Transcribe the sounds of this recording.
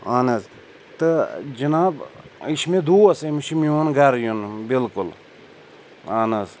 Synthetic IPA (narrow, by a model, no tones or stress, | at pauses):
aːnɐz | t̪ɨd͡ʒɐnaːbiʃmed̪uːɐsɐmʃimionɡɐɾjunbilkʊl | aːnɐz